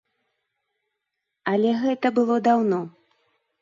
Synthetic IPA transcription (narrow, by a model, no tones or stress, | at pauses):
ɐlʲɛɣɛt̪ɐbɨlˠɔd̪awnɔ